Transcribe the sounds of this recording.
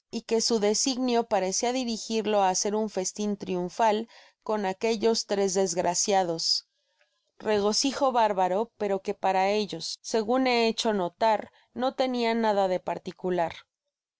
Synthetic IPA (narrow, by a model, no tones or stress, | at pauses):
ike̞suðe̞siɣnjo̞paɾe̞siaðiɾixiɾlo̞ase̞ɾuɱfe̞st̪int̪ɾijuɱfal | ko̞nake̞ʝo̞st̪ɾe̞zðe̞zɣɾʔasjaðo̞s | re̞ɣ̞o̞sixo̞βaɾβaɾo̞pe̞ɾo̞ke̞paɾae̞ʝo̞sːe̞ɣune̞et͡ʃo̞no̞t̪aɾ | no̞t̪e̞nianaðaðe̞paɾt̪ikulaɾ